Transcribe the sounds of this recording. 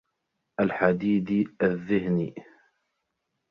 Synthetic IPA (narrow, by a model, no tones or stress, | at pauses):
ʔalħad̪iːd̪ʔaðːɪhni